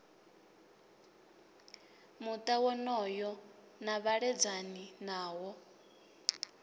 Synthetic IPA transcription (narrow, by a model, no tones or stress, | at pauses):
mut̪ʼawɔnɔjɔ | naβaɺɛd͡zaninaːwɔ